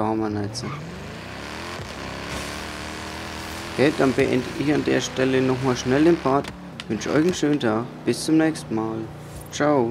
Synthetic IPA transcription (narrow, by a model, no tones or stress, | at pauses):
hɔmənɛt͡sə | hɛd̥anbəʔɛndəɪçandeːɐʃtɛlənɔχmaːlʃnɛlenfaːt | vʏnʃəʔɔ̰ʏçnʃøːnəntʰaːxb̥ɪst͡sʊmnɛːçstn̩maːl | t͡ʃaʊ